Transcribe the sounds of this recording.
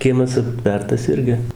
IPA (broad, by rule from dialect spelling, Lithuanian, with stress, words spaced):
ˈkʲiɛmɐs ɐpʲˈtʲʋʲɛrtɐs ˈɪrʲɡʲɪ